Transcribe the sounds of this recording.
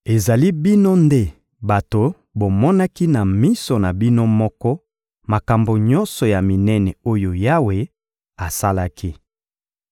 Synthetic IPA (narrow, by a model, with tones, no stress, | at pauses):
e˨za˨li˦bi˦no˦nde˦ | ba˨to˨ | bo˨mɔ˦na˦ki˦na˨mi˦so˨na˨bi˦no˦mɔ˦kɔ˦ | ma˨ka˨mbo˨ɲɔ˦nsɔ˨ja˨mi˨nɛ˦nɛ˨o˦jo˨ja˦we˨ | a˨sa˦la˦kʰi˦